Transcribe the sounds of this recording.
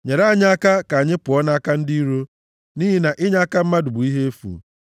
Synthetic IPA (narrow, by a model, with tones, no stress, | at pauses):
ɲe˨ɾa˦˨ɲɪ˦a˦ka˦ka˨a˨ɲɪ˦pʊ˨ɔ˦na˦a˦ka˦n̩˦di˦i˦ɾo˦ | niː˦ɦɪ˦na˨ʔɪ˦ɲa˦a˦ka˦m̩˦ma˦dʊ˨bʊ˨i˦ɦe˦e˦fṵ˨